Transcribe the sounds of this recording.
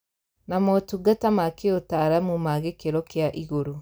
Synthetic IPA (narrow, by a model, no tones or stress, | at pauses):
namotuɡatamakeotaɾamumaɣekeɾɔkjaʔiɣoɾo